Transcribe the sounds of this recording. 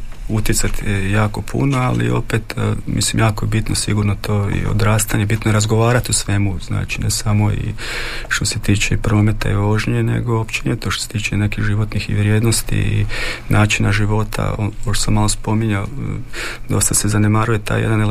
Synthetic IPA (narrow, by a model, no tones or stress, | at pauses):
ut̪jet̪sat̪jaːko̞pʰṵnoalḭo̞̰pet̪ːmʔḭslimjaːkojebit̪nosiɡuɾnot̪oːḭo̰d̪ɾaːst̪aɲe̞bit̪nojɾazɡoʋaːɾat̪usʋe̞muzna̰ːt͡ʃinesamoḭʃt̪o̞se̞t̪iːt͡ʃepɾo̞ːme̞t̪a̰iʋoʒɲenḛɡo̞opt͡ʃenjet̪oʃt̪oset̪iːt͡ʃene̞kiɣʒiʋo̞t̪nixḭʋɾjed̪nost̪ḭḭnʔaːt͡ʃinaʒiʋo̞t̪ʰa̰ooʃt̪osamalospo̞miɲa | d̪o̞st̪asezanemaːɾuje̞t̪a̰ːjḛd̪anl